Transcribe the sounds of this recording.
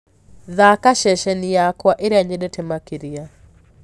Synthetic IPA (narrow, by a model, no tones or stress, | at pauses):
ðakaʃɛʃɛnijakwaʔeɾeaɲedɛtʰɛmakiɾia